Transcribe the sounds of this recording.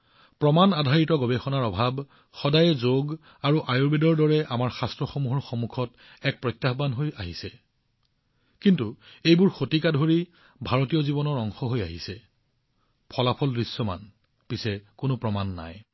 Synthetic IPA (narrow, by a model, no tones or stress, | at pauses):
pɹɔmanadʱaɹitɔɡɔbɛxɔnaɹɔbʱab | xɔdajɛzoɡ | aɹuʔajoɹbedɔɹdɔɹɛʔamaɹxastɹɔxomuɦɔɹxomukʰɔt | ɛk̚pɹɔjtːaxbanɦojaɦisɛ | kintuejbʊɹxotikadʱoɹi | bʱaɹotijɔzibɔnɔɹɔŋxɔɦojaɦisɛ | pʰɔlapʰɔldɹisːɔma̰n | pisɛkʊnʊpɹɔmanːa̰j